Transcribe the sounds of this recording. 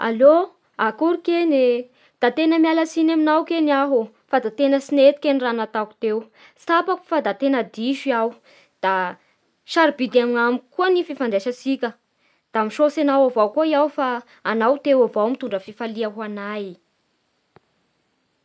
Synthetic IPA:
a̰lo | akuɾukene | d̪̥at̪enəmjalasinaminawkeniaɦu | fad̪at̪enəsinet̪i̥kʲeniranat̪aku̥t̪ew | sapaku̥fad̪at̪enəd̪iʃiaw | d̪̥a | ʃaɾibid̪amŋamikuənififanɖ͡ʐeʃəsikʲə | d̪̥amiʃosenawavawkuəiawfaː | nawt̪ewavawmit̪uɳɖ͡ʐəfifaliaɦanaj

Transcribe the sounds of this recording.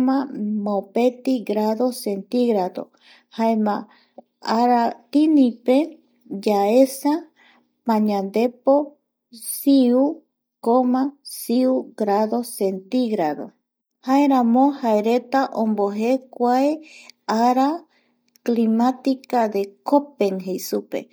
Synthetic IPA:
mãmõpet̪iɡɾaðosent̪iɣɾaðo̰ | haemã | aɾat̪inĩpe | d͡ʒaesa | pãɲãnd̪epo | siu | komãsiuɡɾaðosent̪iɣɾaðo̰ | haeɾãmõhaeɾe̞t̪aʔõmboɦekʷaeaɾa | klimat̪ikaðe̞kopeŋɦejsupḛ

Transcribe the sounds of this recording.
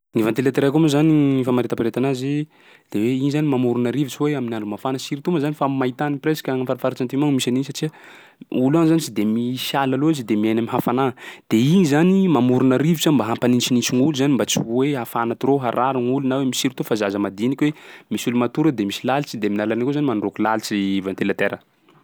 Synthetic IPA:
nivant̪elat̪iɾaakumuzaniifamaɾit̪apiɾet̪anaze | d̪̥eweinizanimamuɾunaɾivit͡siweaminaɳɖ͡ʐumafanəsiɾit̪umzanifamait̪anipresḁkʲaŋfaɾafaɾat͡ʃant̪imaŋmisaninisaʈ͡ʂiə | uluanzanit͡ʃid̪emisalaloizid̪emiajnamiɦafanad̪̥einizanimamuɾunaɾivit͡sambaɦampanint͡ʃinint͡ʃiŋuluzanimbat͡siweɦafanat̪iɾoɦaɾaɾuŋulunawemisiɾt̪ufazazəmad̪inikʲwemisulumat̪uɾəd̪emisilalit͡ʃid̪eminalanikozanimanurokulalit͡sivant̪elat̪eɾə

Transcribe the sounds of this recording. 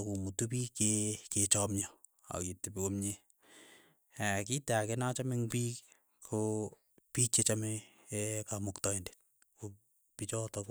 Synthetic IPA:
kumutup̬ikeket͡ʃɔmɲɔ | a̰kitepikomɲe | akitakenat͡ʃamɪŋpiːk | kʰo | pit͡ʃet͡ʃame | kamoktɔende̥t̚ | ko | pit͡ʃɔtɔk

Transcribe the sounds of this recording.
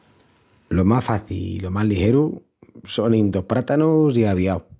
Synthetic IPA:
lo̞masfaθḭlḭlo̞mazlixe̞ɾu | sonind̪o̞pɾat̪anusiaβ̞iaw

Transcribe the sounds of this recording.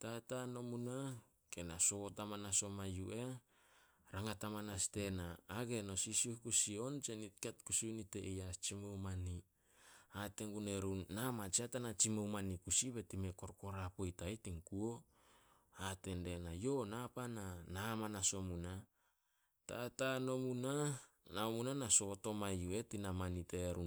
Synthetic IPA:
tatano̞muna | kenaso̞tamanaso̞majuʔe̞ | ɾaŋatamanaste̞naːɡe̞no̞sisukusio̞nt͡ʃenitkatkusiuniteʔejat͡ʃimowmani | ate̞ŋɡuneɾunːamat͡ʃiatanat͡ʃimowmanikusiβe̞time̞ko̞ɾko̞ɾapojtajtiŋkuo̞ | ate̞nde̞najo̞napananamanaso̞muna | tatano̞muna | naomunanaso̞to̞majue̞tinamaniteɾun

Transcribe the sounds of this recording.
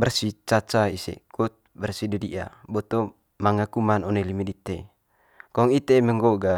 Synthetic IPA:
bərsit͡ʃat͡ʃaisḛkut̪̚bərsidədḭʔa̰bɔt̪ɔ | maŋakumanɔnelimidit̪ːe | kɔŋit̪eməŋɡoɡa

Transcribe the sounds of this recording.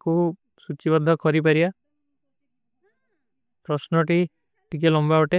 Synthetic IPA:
ku | sut͡ʃibɔd̪ʱːɔkʰɔɾip̬aɾia | pɾɔsnɔʈi | ʈikelɔmbaɔʈe

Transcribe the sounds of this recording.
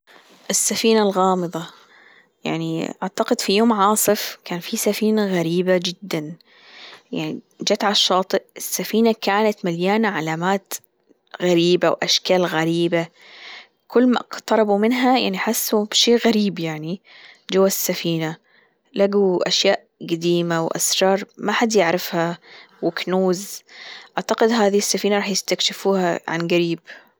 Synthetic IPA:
ʔɪsːafiːnalɣɑːmɨðˤɑ | ja̰ʕniʔaʕt̪aqɪd̪fijoːmʕɑːsˤɨfkaːnfisafiːnaɣaɾiːbad͡ʒɪd̪ːan | ja̰ʕni | d͡ʒat̪ʕaʃːɑːt̪ˤɨʔʔɪsːafiːnakaːnat̪maljaːnaʕalaːmaːt̪ | ɣaɾiːbawʔaʃkaːlɣaɾiːba | kʊlːma̰ʔqt̪ɑɾˤɑbumɪnɦaja̰ʕniħasːubʃeːʔɣaɾiːbjaʕnid͡ʒawːasːafiːna | laɡuʔaʃjaːʔ | ɡad̪iːmawʔa̰sɾˤɑːɾˤmaħad̪jɪʕɾɪfha | wɪknuːzʔaʕt̪aqɪd̪ɦaːðiɪsːafiːnaɾˤɑːħjɪst̪akʃɪfuːhaʕa̰nɡaɾiːb

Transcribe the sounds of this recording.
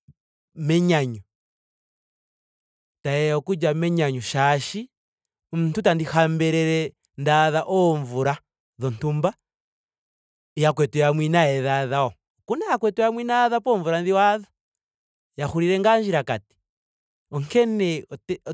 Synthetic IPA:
meɲaɲu | tajeokud͡ʒameɲaɲuʃaʃi | muntutandixambeɾeɾe | ndaðaʔoɱvuɾa | ðontumba | jakwetujamwinajeðaðao | kunajakwetujamwinaðapoɱvuɾanðiwaða | jaxuɾiɾeŋɡaɲd͡ʒiɾakati̥ | oŋkene

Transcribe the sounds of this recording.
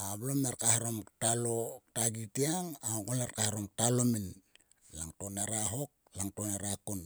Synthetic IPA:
aβlomnaɾkahaɾomtalotaɡitiaŋaɡolarkahaɾomtalomin | laŋtonaɾaɦo̞k̚laŋtonaɾakun

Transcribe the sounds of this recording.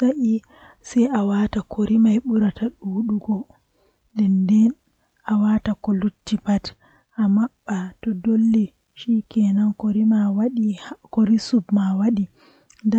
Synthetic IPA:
saʔi | sɛjʔawatakʰoɾimajɓuɾataɗuɗuɡɔ | dɛndɛn | awatakɔlutːipat | ʔamaɓːatɔdolːi | ʃikɛnankoɾimawɗikoɾisubmawaɗi | nda

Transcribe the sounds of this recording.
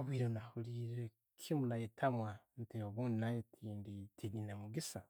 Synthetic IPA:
oβwiːɾonahuliːɾe | kʰimunajetʰamwanteoβuːndinajetʰiːnditʰiɲinemuɡisa

